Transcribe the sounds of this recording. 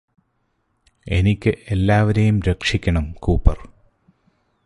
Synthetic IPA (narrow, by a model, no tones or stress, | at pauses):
e̞nikʲːɨʔe̞lːaːʋɐɾejumɾekʂikʲːɐɳɐmkuːpːɐ̰r